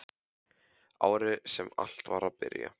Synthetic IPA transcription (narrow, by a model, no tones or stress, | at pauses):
aːwɾɪsɛmal̥t̪vaɾaðpɪɾja̰